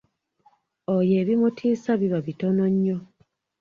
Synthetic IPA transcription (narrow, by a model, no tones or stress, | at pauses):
oje̞ːβimutʰiːsaβiβaβitono̞ɲːo